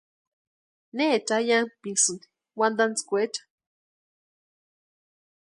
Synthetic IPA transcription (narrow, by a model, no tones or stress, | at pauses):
net͡ʃajanpisɨnd̪i̥ | wand̪ant͡skʷet͡ʃḁ